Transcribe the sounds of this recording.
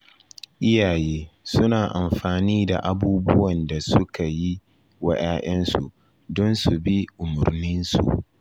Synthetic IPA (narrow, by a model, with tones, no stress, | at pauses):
ʔɪ˦jaː˨jeː˦sʊ˦naː˨ʔa˨mɸaː˨niː˦da̰˨ʔa˨buː˦bʊ˦wɐ˨nda˨sʊ˦ka˨ji˦ | wɐ˦ʔaː˦ʔɛ˦nsṵ˨ʔ | dɔ˦nsu˨bi˦ʔʊ˨mʊ˨ɾnɪ˦nsṵ˨ʔ